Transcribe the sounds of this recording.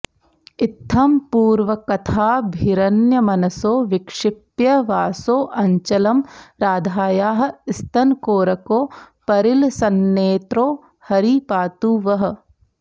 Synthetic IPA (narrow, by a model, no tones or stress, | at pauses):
ɪt̪ʰːɐmpuːɾʋɐkɐt̪ʰaːbʱiɾɐnjɐmɐnɐsoːʋɪkʂɪpjɐʋaːsoːʔɐɲt͡ʃɐlɐmɾaːd̪ʱaːjaːɦɐ̆ɪst̪ɐnkoːɾɐkoː | pɐɾilsɐnːeːt̪ɾoː | hɐɾipaːt̪uːʋɐɦɐ̆